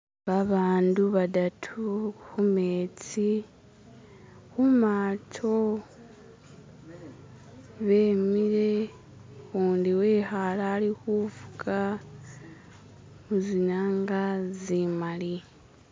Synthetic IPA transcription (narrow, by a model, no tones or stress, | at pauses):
βaβaːnduβadatʰuxumet͡si | xumatʰo | βe̞ːmiɾe̞ | uːndiweːxalaːlixuvu̥kʰa | muzinaŋɡazimali